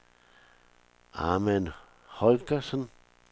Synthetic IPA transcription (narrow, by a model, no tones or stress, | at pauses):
a̰men | holkasən